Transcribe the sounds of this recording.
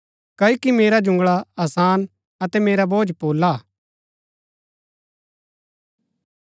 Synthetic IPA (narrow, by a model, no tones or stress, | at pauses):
kɐokimeːɾad͡ʒʊ̃ŋɡɭaɐːsaːn | ɐt̪ɛmeːɾaboːd͡ʒpoːlaː